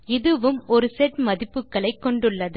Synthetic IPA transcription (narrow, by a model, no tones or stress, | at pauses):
ɪðɯʋɯmɔɾɯsɛʈmɐðɪpːɯkːɐɭɐɪkːɔɳɖɯɭːɐðɯ